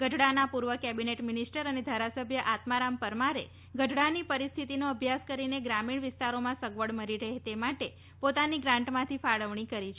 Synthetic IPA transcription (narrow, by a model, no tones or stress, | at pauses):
ɡəɖɽanapuɾʋəkɛbineʈmɪnisʈəɾəned̪ʱaɾasəbʱjəʔat̪maɾampəɾmaɾḛ | ɡəɖɽanipəɾist̪ʰit̪inoəbʱjaskəɾineɡɾamiɳ̃ʋɪst̪aɾomãsəɡʋəɽməɾiɾəɦet̪emaʈe | pot̪aniɡɾãɳʈmãt̪ʰifaɭəʋɳ̃ikəɾit͡ʃʰ